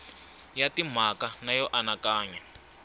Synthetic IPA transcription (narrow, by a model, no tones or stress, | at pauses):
jatim̤akanajɔʔanakaːɲɛ